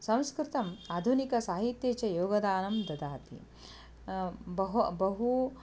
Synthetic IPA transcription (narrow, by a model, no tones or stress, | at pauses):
sɐ̃w̃skɾɪt̪ɐmaːd̪ʱunikɐsaːɦit̪jeːt͡ʃɐjoːɡɐd̪aːnɐmd̪ɐd̪aːt̪ḭ | bɐɦbɐɦu